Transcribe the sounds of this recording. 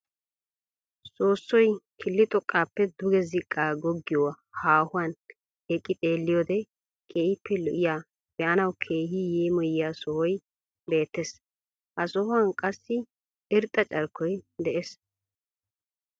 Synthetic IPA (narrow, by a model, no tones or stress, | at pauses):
so̞ːsːɔjkʰɪlːɪt̪ʼɔkʼːaːpːɛd̪ʊɡɛzɪkʼːaːɡɔɡːɪjɔ | haːhʊwaːn | ɛkʼːɪt̪ʼeːlːɪjoːd̪ɛ | kʼeːɪpːɛlʊʔɪjaː | bjaːnɐwkʰe̞ːɦijeːmɔjjaːsɔhɔj | be̞ːt̪ːɛs | hɐsɔhʊɐnkʼɐsːɪ | ɪɾt̪ʼːɐt͡ʃʼɐɾkːɔjd̪ɛʔes